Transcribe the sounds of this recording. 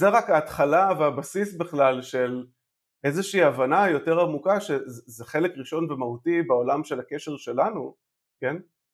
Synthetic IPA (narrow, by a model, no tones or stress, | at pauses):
zeʁakaːt̪χalaveabasisbiχlalʃe̞l | e̞zeʃiːavanajo̞te̞ʁamukaʃezeχe̞lekʁiʃo̞nve̞mahutibeolamʃe̞lake̞ʃeʁʃe̞lanu | ken